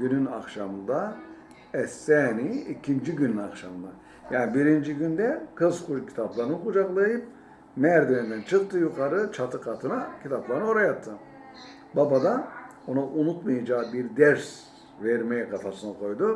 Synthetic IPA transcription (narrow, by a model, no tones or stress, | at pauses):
ɟynyna̰kʃamɯnd̪a | ɛsːɛːniicʰind͡ʒiɟynynakʃamɯnd̪a | jaːnibiɾind͡ʒiɟynd̪ɛkʰɯzkʰud͡ʒcʰi̥t̪ʰaplˠaɾɯnɯkʰud͡ʒaklˠajɯp̚ | mɛɾd̪ønynd̪ænt͡ʃʰɯk̚t̪ʰːɯjukʰaɾɯt͡ʃʰat̪ʰɯkʰat̪ʰɯnacʰit̪ʰaplˠaɾɯno̞ɾajat̪ʰːɯ | babad̪a | o̞naʔunut̪majad͡ʒaːbiɾd̪ɛɾs | vɛɾmejɛkʰat̪ʰasɯnakʰo̞jd̪u